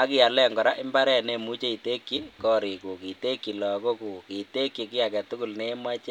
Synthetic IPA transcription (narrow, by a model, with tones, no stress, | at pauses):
a˦kɪ˦˨a˨lɛ˦ŋɡɔ˨ɾa˦ʔɪ˦mba˦ɾɛ˨ne˦˨mu˦t͡ʃe˦i˨te˦kːi˦kɔ˦ɾi˨ku˨ki˨te˦kːi˨lɔ˨ko˦ku˨ki˨te˦kːi˨kɪ˦a˨kɛ˨tʊ˦kʊ˨lne˦ma˦t͡ʃe˦